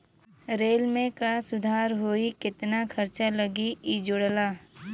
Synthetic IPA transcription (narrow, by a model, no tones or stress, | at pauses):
ɾeːlmẽkasʊd̪ʱaːɾɦoːikɪt̪nakʰɐɾt͡ʃaləɡiid͡ʒʊɽlaː